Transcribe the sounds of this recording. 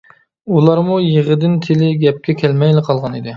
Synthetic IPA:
ulˠɑɾmujəʁəd̪ɪnt̪ʰɪlɪɡʲɛp̚kʲɛkʲʰɛlmɛjlɪqʰɑlˠʁɑnid̪ɪ

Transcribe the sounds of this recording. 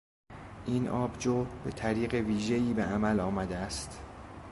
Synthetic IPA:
ʔiːnʔɒːbd͡ʒoːbet̪ʰæɾiːɢe̞viːʒe̞iːbeʔæmælɒːmæd̪eæst̪

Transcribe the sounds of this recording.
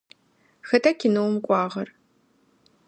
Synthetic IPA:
xɐtʰɐkʰʲɪnɨwmkʷʼɑːʁɐr

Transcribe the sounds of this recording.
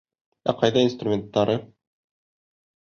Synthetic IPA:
æ̰qɑjðɑinst̪rumʲent̪ːɑɾɤ

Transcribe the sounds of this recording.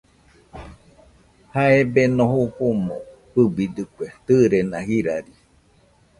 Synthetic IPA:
haebenõhoɸomõ | pɨbid̪ɨkʷet̪ɨɾenãhiɾaɾi

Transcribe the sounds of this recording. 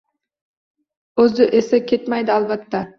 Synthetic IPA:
øzd̪yʔeseket̪mæjd̪ɪɑlˠβɑt̪ːɑ

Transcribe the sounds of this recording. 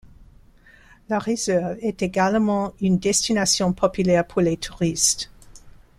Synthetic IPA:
laʁezɛʁvɛt̪eɡalmɑ̃ynd̪ɛstinasjɔ̃pʰɔpylɛʁpʰuʁlet̪ʰuʁist̪

